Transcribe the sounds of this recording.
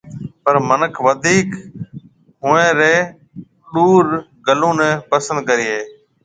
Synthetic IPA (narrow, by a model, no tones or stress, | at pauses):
pəɾmənəkʰʋəd̪ʱiːk | ɦʊːẽːɾeː | ɗuːɾɡəlõːnẽːpəsə̃nd̪̚kəɾiːɦeː